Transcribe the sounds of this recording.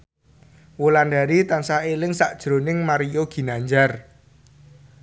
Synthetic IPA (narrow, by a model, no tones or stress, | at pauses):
wolandaɾit̪ansaelɪŋsaʔd̥ʒ̥ɾo̤nɪŋmaɾioɡ̥i̤naɲd͡ʒar